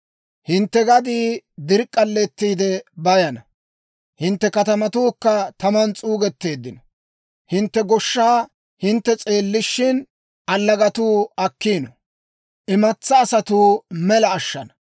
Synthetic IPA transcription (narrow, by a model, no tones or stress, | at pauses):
hɪnt̪ːɛɡɐd̪iːd̪ɪɾkʼːɐlːɛt̪ːiːd̪ɛbɐjɐnɐ | hɪnt̪ːɛkɐt̪ɐmɐt̪uːkːɐt̪ɐmɐnt͡sʼuːɡɛt̪ːe̞ːd̪ːɪnɔ | hɪnt̪ːɛɡɔʃːaː | hɪnt̪ːɛt͡sʼe̞ːlːɪʃːɪn | ɐlːɐɡɐt̪uːɐkːiːnɔ | ʔɪmɐt͡sːɐːsɐt̪uːmɛlɐːʃːɐnɐ̥